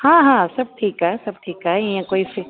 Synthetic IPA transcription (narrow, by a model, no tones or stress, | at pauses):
hãːɦãːsɐb̚ʈʰiːkɦɛɦɛsɐb̚ʈʰiːkɦaɦɛĩjãkoːifɪ